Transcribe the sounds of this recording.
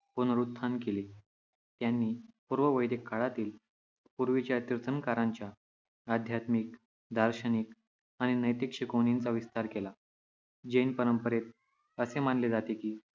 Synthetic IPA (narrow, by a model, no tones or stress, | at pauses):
punəɾut̪̚t̪ʰːankeli | t̪janːiːpuɾʋəʋəjd̪ekʰːaɭat̪iːl | puɾʋit͡ɕjat̪iɾt̪ənkaɾaɲt͡ɕjaː | d̪ʱjat̪mik | d̪ʱaɾɕənik | aɽ̃inəjt̪ikʂəkonint͡saʋist̪aɾkela | d͡ʑenpəɾəmpəɾet̪̚ | əsemanled͡zat̪ekiː